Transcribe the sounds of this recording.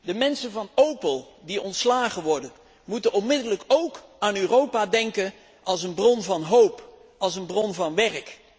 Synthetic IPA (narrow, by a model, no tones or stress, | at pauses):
dəmɛnsənvɑnowpəlˠ | diɔntslaːχəʋɔɹdən | mutənɔnmɪdələkowkaːnøːrowpadɛŋkən | ʔɑlˠsənbrɔnvɑnɦowp | ɑlˠsənbrɔnvɑnʋɛrk